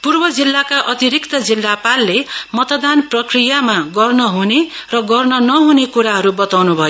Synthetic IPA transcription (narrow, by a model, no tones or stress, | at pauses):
purbʌd͡zilːakaʔʌt̪iɾikt̪ʌd͡zilːapalːemʌt̪ʌd̪anprʌkrijamaɡʌrnʌɦunerʌɡʌrnʌnʌɦunekuɾaɦʌɾubʌt̪awnubʱʌjo